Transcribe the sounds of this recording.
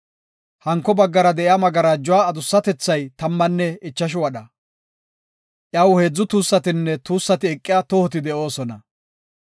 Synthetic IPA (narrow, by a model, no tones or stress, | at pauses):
hɐŋkːɔbɐɡːɐɾɐd̪ɛʔɪamɐɡɐɾad͡ʒʊwaːd̪ʊsːɐt̪ɛt͡sːɐjt̪ɐmːɐnːɛɪt͡ʃːɐʃ̬ʊwɐɗɐ | ʔjɐwheːd͡zːʊt̪uːsːɐt̪ɪnːɛt̪uːsːɐt̪ɪɛkʼːɪjat̪ɔhɔt̪ɪd̪ɛʔo̞ːsɔnɐ